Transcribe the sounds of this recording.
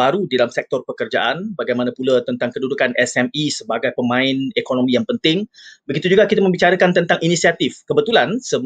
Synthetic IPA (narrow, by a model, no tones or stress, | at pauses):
aɾudidalamsɛk̚t̪ɔrpəkərd͡ʒa̰ʔanbaɡajmanãpulat̪ənt̪aŋkədudukanʔɛsɛmisəbaɡajpəmãɪnekonõmijaŋpənt̪ɪŋbəɡit̪ud͡ʒuɡakit̪amə̃mbit͡ʃaɾakant̪ənt̪aŋʔinisiat̪ɪfkəbət̪ulansəm